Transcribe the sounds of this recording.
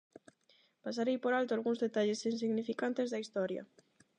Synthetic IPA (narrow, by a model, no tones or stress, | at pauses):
pas̬aɾejpoɾalt̪oalɣũŋzðet̪aʎesinsiɣnifikant̪ezðɐist̪ɔɾjɐ̰